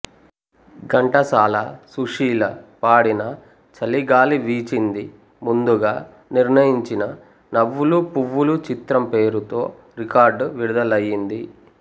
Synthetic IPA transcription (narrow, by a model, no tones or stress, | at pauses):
ɡɐɳʈɐsaːlɐsuʂiːlɐpaːɽinɐ | t͡ʃɐliɡaːliʋiːt͡ʃind̪i | mund̪uɡaː | niɾɳɐjiɲt͡ʃinɐ | nɐʋːulupuʋːulut͡ʃit̪ɾɐmpe̞ːɾut̪o̞ː | ɾikaːɾɖʋiɽud̪ɐlɐjːind̪i